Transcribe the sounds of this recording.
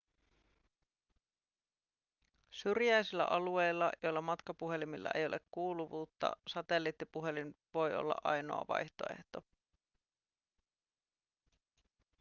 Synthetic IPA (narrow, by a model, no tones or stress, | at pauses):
syrjæjsilːæ̰ʔɑlue̞jlːɑjo̞jlːɑmɑt̪kɑpuɦe̞limilːɑ̰ʔe̞̰jo̞lekkuːluʋuːt̪ːɑ̰sɑt̪e̞lːiːt̪ːipuɦe̞lin | ʋo̞jo̞̰lːɑ̰ʔɑjno̞̰ɑ̰ʋɑ̰jçt̪o̞̰e̞̰ht̪o̞